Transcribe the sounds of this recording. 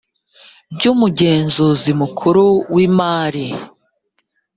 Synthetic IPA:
bɟuːmuɟeːnzozimukʰuɾowiːmaːɾi

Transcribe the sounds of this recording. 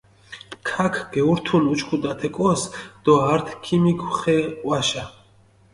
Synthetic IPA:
kʰakʰɡ̥ɛuɾt̪ʰunut͡ʃkʰud̪at̪ʰɛkʼɔsd̪̥ɔaɾt̪ʰkʰimikʰuχɛwaʃa

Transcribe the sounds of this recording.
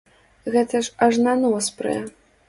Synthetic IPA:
ɣɛt̪ɐʂɐʐnanɔspɾɨ̰jɛ

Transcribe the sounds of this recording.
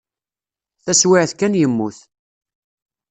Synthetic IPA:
θæswɪʕθkænjəmːuθ

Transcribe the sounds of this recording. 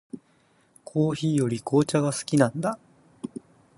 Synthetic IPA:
kʰo̞ːçiːjo̞ɾʲikʰo̞ːt͡ɕaɡasɨ̥kʲinãnd̪a

